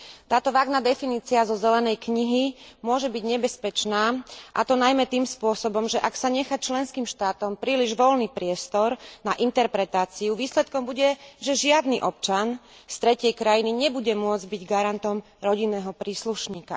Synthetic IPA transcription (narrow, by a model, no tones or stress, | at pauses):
t̪aːt̪ɔʋaːɡnad̪ɛfiniːt͡siazɔzɛlɛnɛjkɲiɦimʊɔʒɛbiɟɲɛbɛspɛt͡ʃnaːʔat̪ɔnajmɛt̪iːmspʊɔsɔbɔmʒɛʔaksaɲɛxat͡ʃlɛnskiːmʃt̪aːt̪ɔmpɾiːliʒʋɔlniːpɾɪɛst̪ɔɾnaʔint̪ɛɾpɾɛt̪aːt͡siuʋiːslɛt̪̚kɔmbuɟɛʒɛʒɪad̪niʔɔp̚t͡ʃanst̪ɾɛcɪɛjkɾajiniɲɛbuɟɛmʊɔd͡zɟbiɟɡaɾant̪ɔm | ɾɔɟinːɛːɦɔpɾiːsluʃɲiːka̰